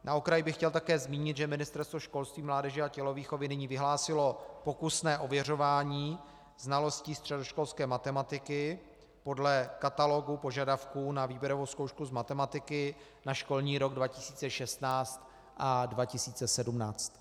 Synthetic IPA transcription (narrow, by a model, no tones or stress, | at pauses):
naokɾajɪbɪxcɛlt̪akɛːzmiːɲɪt̪ʒɛmɪnɪst̪ɛɾst̪voʃko̞lst̪viːmlaːdɛʒɛacɛlo̞viːxovɪnɪɲiːvɪɦlaːsɪlo̞po̞kusnɛːʔo̞vjɛr̝o̞vaːɲiː | znalo̞sciːst̪r̥ɛdo̞ʃko̞lskɛːmat̪ɛmat̪ɪkɪ | po̞dlɛkat̪alo̞ɡupo̞ʒadafkuːnaviːbjɛɾo̞vowsko̞wʃkuzmat̪ɛmat̪ɪkɪ | naʃko̞lɲiːɾo̞ɡdvacɪsiːt͡sɛʃɛst̪naːt͡st̪ | ʔadvacɪsiːt͡sɛsɛdumnaːt͡st̪